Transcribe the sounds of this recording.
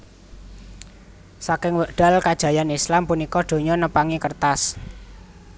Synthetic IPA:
sakɪŋwəʔɖ̥a̤lkad̥ʒ̥a̤janislampunikɔɖ̪̥o̤ɲɔnəpaŋikərt̪as

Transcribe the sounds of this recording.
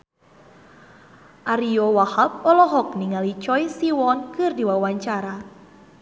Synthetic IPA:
ʔaɾiɔwahap̚ɔlɔɦɔk̚niŋalit͡ʃɔjsiwɔnkɨrdiwawaɲt͡ʃaɾa

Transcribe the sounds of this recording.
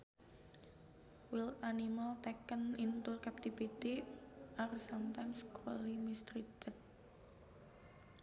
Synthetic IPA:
wilt̪animalt̪ɛkənint̪urkap̚t̪ifit̪iʔarsamt̪anskʰolimist̪ɾit̪ət̪̚

